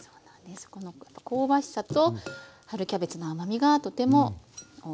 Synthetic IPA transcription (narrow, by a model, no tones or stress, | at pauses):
soːnãnd̪esɨ̥ko̞no̞japːako̞ːbaɕi̥sat̪o̞ | haɾɯ̟kʲabe̞t͡sɨnoamamʲiɡat̪o̞t̪e̞mo̞o